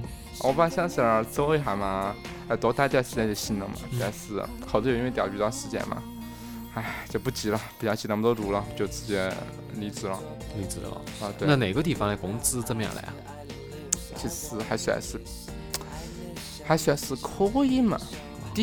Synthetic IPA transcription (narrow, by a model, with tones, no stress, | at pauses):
wɔ˧˩pa˥˧ɕjɑ˥ɕ̩˥˧˩t͡so˥ʊi˧˥xa˧˥ɪmɐ˧ | a˥˩ɪt̪wɔ˧˥t̪a˥˧˥t̪jɑ˥˧˩ʂɻ̩˧t͡ɕjɛ˥nɛ˨˩ɕi˧˥˩nə̰˧˩ŋmɐ̰˨ɕy˧˩a̰˧ʂɻ̩˥˩ | xt̪o˨˩˧i˥n˥˧t̪jɑ˨˩pi˧˩ɑ˥˩ʂɻ̩˧˥t͡ɕjɛ̰˥nmɐ̰˨ | a˥˩t͡ɕo˥˧pu˥˩t͡ɕi˧˥lə˧pi˨˩t͡ɕjɑ˥˧ʊt͡ɕi˧˥˩a˥mə˧o˥ʊt̪u˧˥lə˧˩t͡ɕjo˥˧ʊt͡sɹ̩˧˩t͡ɕjɛ˥˩ | li˧˥t͡sɹ̩˧˥lə̰˧˩ | i˧˥t͡sɹ̩̰˧l̰ə˧˩t̪we˥˧na˥˩ne˨˩ɪɡə˧t̪̬i˥˩fɑ˧ŋa˧˩kʊ˥ŋt͡sɹ̩˥t͡sə˥˩mə˧jɑ̰˥˩ŋla̰˧˥ɪ˧ | t͡ɕʰi˧˥˧xa˧˥ɕy˧˥la̰˧˥ʂɻ̩˥˧˩ | xa˧˥ɪɕy˧˥ɑ˧˥ʂɻ̩˥˧kʰo˥i˥mɐ̰˨˩ | t̪i˥